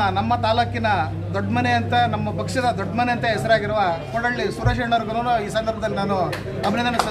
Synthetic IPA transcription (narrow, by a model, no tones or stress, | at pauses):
ɐnɐmːɐt̪aːlɐkːinɐ | d̪ɔɖːmɐnejɐnt̪ɐnɐmːɐpɐkʂɐd̪ɐd̪ɔɖːmɐnejɐnt̪ɐɦɛsɐɾaːɡiɾɐʋakɔɽɐɭːisuɾɐːʃeɳɐɾuɡɐnoːnuiːsɐnd̪ɐɾbɐd̪ɐlːinaːnu | ɐbʱinɐd̪ɐnːɐsɐ